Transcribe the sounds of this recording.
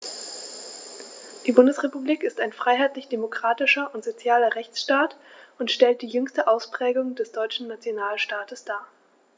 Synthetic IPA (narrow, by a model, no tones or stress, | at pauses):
d̥iːbʊndəsʁepubliːkɪstaɪnfʁ̥aɪɦaɪtlɪçd̥emokʁ̥aːtɪʃɐʔʊntz̥ot͡sjaːlɐʁɛçt͡sʃtaːtʊntʃtɛlt̚d̥iːjʏŋstəʔaʊspʁ̥ɛːɡʊŋdɛsd̥ɔʏt͡ʃn̩nat͡sjonaːlʃtaːtəsd̥aː